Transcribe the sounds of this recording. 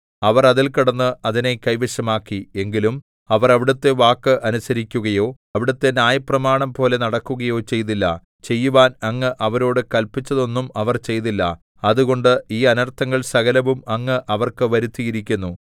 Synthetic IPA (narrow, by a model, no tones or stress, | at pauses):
ɐʋɐrɐðilkiɽɐnːɨɐðine̞kɐjʋiɕɐmaːkːie̞ŋɡilum | ɐʋɐrɐʋiɽɐt̪ːe̞ʋaːkːɨʔɐnusɐɾikʲːuɣɐjo̞ː | ɐʋiɽɐt̪ːe̞njaːjɐprɐmaːɳɐmpo̞ːle̞nɐɽɐkːuɣɐjo̞ːt͡ɕe̞jt̪ilːɐ | t͡ɕe̞jːuʋaːnɐŋːɨʔɐʋɐɾo̞ːɽɨkɐlpit͡ɕːɐðo̞nːumɐʋɐrt͡ɕe̞jt̪ilːɐ | ɐðuɣo̞ɳɖɨiːɐnɐrt̪ʰɐŋːɐɭsɐɣɐlɐʋumɐŋːɨʔɐʋɐrkɨʋɐɾut̪ːijiɾikʲːunːu